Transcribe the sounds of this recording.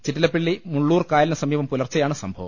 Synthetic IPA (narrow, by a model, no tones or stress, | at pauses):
t͡ɕiʈːilɐpːeɭːimuɭːuːrkaːjɐlɐnɐsɐmiːʋɐmpulɐrt͡ɕːɐjaːɳɨsɐmbʱɐʋɐ̰m